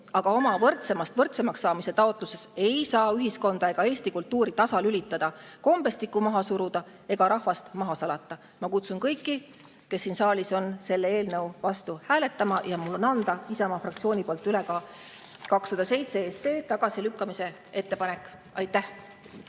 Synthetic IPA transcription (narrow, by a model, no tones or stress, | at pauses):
ɑɡ̥ɑo̞mɑvɤrt̪se̞mɑst̪vɤrt̪semɑksːɑːmise̞t̪ɑo̞t̪ˑluse̞se̞jsɑːyɦisko̞nd̪ɑe̞ɡ̥ɑe̞ːst̪ikult̪ːuːɾit̪ɑsɑlylit̪ːˑɑd̪̥ɑko̞mbe̞st̪ikˑːumɑɦɑsuɾud̪̥ɑ | e̞ɡ̥ɑɾɑhvɑst̪mɑɦɑsɑlɑt̪ːˑɑ | mɑkut̪sunkɤ̞jkˑːi | ke̞sːiːnsɑːlʲiso̞nse̞lːee̞ːlnɤwvɑst̪uhæːle̞t̪ːˑɑmɑjɑmulːo̞nɑnd̪̥ɑisɑmɑfrɑk̚t̪sio̞ːnʲipolt̪ːˑyle̞ɡɑː | kɑksɑd̪̥ɑse̞jt̪seesːe̞ːt̪ɑɡ̥ɑsilykːɑmise̞ | e̞t̪ːe̞pɑne̞kːˑ | ɑjt̪ːˑæh